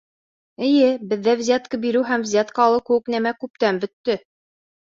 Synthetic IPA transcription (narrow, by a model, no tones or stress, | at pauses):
ɘ̆jɘbɘ̆ðːævzʲat̪̚kɤbiɾɘɦæmvzʲat̪kɑɑlˠɤwkɘ̆wɘknæmækʉp̚t̪æmbɵ̆t̪ːɘ